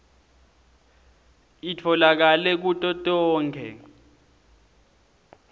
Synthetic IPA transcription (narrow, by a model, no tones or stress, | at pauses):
itʰɔlak̬alɛk̬utʼɔtʼɔːŋkʰɛ̰